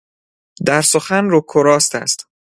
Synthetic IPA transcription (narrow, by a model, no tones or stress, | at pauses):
d̪æɾsoxænɾokʰoɾɒːst̪æ̰st̪